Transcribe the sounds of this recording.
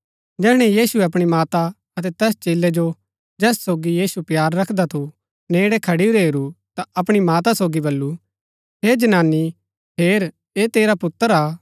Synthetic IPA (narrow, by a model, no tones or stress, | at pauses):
d͡ʒɛːɽ̃ɛ̃jiːsueɐpɽ̃imaːt̪a | ɐt̪ɛt̪ɛːst͡ʃeːlɛd͡ʒo | d͡ʒɛːssoːɡijiːsupjaːɾːɐkʰd̪at̪ʰu | neːɽɛkʰɐɽiuɾeɦeːɾut̪aɐpɽ̃imaːt̪asoːɡibɐlːu | ɦeːd͡ʒɐnaːnːi | ɦeːɾ | eːt̪eːɾapʊt̪ːəɾaː